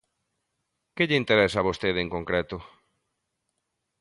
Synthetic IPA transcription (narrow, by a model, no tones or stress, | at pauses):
keʎɪint̪eɾɛsaβost̪eðeŋkoŋkɾet̪ʊ